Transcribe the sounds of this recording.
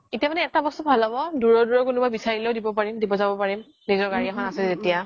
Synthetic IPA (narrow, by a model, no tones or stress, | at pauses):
etiamanɛːtabɔstɔbʱalabɔduɹɔduɹɔkunubajbisaɹileʊdibɔpaɹimdibɔzabɔpaɹim | nizɔɹɡaɹiakʰɔnasɛzetija